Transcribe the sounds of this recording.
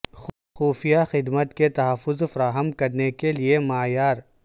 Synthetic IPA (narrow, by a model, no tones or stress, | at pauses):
x | xuːfijaxɪd̪mət̪ket̪ɐɦəfːʊzfɐɾaːɦəmkɐɾnekeliemaːjaːɾ